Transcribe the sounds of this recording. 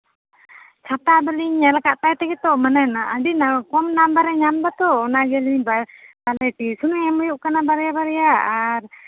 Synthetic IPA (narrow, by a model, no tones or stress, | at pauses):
t͡ʃʰat̪abaliɲɛlakaʔt̪aɛt̪ɛɡɛt̪ɔʔmananaːɖinakɔmnambaɾɛɲamb̪at̪ɔʔnaɡɛliɲbabalɛt̪isunuɲamɔjuʔkanabaɾɛjabaɾɛjaːɾ